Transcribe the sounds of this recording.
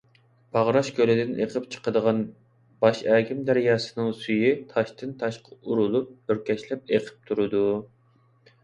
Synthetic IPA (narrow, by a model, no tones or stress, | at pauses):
b̥ɑʁɾɑʃkʲølɪd̪ɪnḛqʰəpt͡ʃʰə̥qəd̪əʁɑn | bɑʃɛːkʲɪmd̪æɾjɑːsɨ̥nɨŋsyjit̪ʰɑʃt̪ʰɨnt̪ʰɑʃqʰɑuɾulˠup̚øɾkʲɛʃlɛp̚eqʰə̥p̚t̪ʰuɾɨd̪u